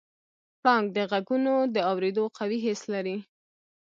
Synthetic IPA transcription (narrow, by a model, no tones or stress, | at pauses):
pɽɑŋɡ̚d̪əɣaɡunod̪əawɾed̪oqawiɦɪslaɾi